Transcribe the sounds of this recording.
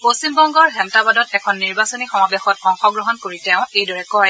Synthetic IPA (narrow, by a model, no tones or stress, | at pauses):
postimbɔŋɡɔɹɦɛmtabadɔtɛkʰɔnːiɹbasonixɔmabɛxɔtɔŋxɔɡɹɔɦɔnkoɹitɛʊ̃ejdɔɹɛkɔj